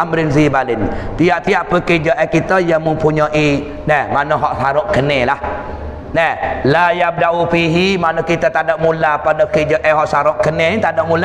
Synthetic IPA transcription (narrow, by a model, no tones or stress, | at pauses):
amɾɪnzibalɪnt̪iaʔt̪iaʔpəkəd͡ʒəʔɛkit̪əjaŋməmpuɲaʔi | nɛmanəɦɔʔsaɾʊʔkənelah | nɛlajab̚daufiɦimanəkit̪at̪adaʔmulapadəkəd͡ʒɔʔɛɦɔʔsaɾʊʔkənet̪adoʔmula